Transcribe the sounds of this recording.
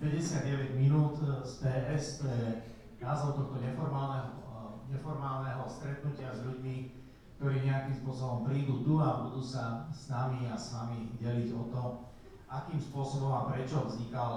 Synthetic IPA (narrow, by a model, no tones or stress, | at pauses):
pɛɟɛsɪad̪ɟɛʋɛɟminuːt̪spɛːʔɛst̪ɔjɛ | azɔt̪ɔxt̪ɔɲɛfɔɾmaːlnɛɦɔɲɛfɔɾmaːlnɛɦɔst̪ɾɛt̪nucɪazʎuɟmi | k̚t̪ɔɾiːɲɛakimspʊɔsɔbɔmpɾiːd̪uːt̪uabud̪uːsasnamiasʋamiɟɛliɟɔt̪ɔ | ʔakiːmspʊɔsɔbɔmapɾɛt͡ʃɔvzɲikal